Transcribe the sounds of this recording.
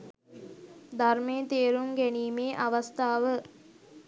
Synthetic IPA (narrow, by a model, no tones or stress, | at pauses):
d̪ʱarmejət̪eːɾuŋɡæniːmeːʔaʋast̪aːʋə